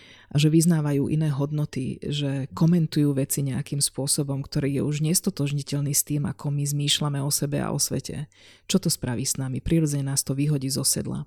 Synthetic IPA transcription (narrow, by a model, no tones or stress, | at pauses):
ʔaʒɛʋiznaːʋajuːʔḭnɛːɦɔd̪nɔt̪ḭʒɛkɔmɛnt̪ujuːʋɛt͡siɲɛakimspʊɔsɔbɔmkt̪ɔɾiːjɛuʒɲɛst̪ɔt̪ɔʒɲicɛʎniːst̪iːma̰kʰɔmizmiːʃlamɛɔsɛbɛa̰ʔɔ̰sʋɛ̰cʰɛ̰ | t͡ʃɔt̪ɔspɾʔaʋiːsnamipɾiːɾɔd͡zɛɲɛnaːst̪ɔʋiːɦɔɟiːzɔsɛ̰d̪la̰